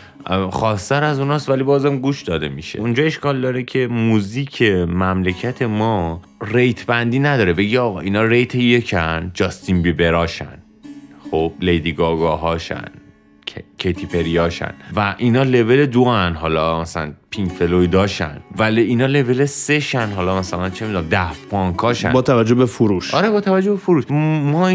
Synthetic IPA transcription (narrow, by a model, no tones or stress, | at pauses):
xɒːst̪æɾæzunɒːst̪vælibɒːzæmɡuːʃd̪ɒːd̪e̞miʃḛund͡ʒɒːe̞ʃkɒːld̪ɒːɾecʰe̞muziːcʰemæmlecʰæt̪ʰe̞mɒː | rejt̪ʰbænd̪iːnæd̪ɒːɾe̞be̞ɡiɒːɣɒːʔiːnɒːɾejt̪ʰeje̞cʰænd͡ʒɒst̪inbibe̞ɾɒːʃæ̰n | χob̥̚lejd̪iɡɒɡɒːɦɒːʃæ̰nʰ | cʰejt̪ʰipʰe̞ɾiɒːʃæ̰nvæʔinɒːle̞ve̞led̪oænɦɒːlɒmæsælæ̰npʰiŋkfeloid̪ɒːʃæ̰nvæliːnɒːle̞ve̞lese̞ʃænɦɒlɒːmæsælænt͡ʃʰemid̪unæmd̪æfpʰɒŋkʰɒːʃæ̰bɒːt̪ʰævæd͡ʒːobefuɾuːʃɒɾebɒːt̪ʰævæd͡ʒːobefoɾuːʃmɒː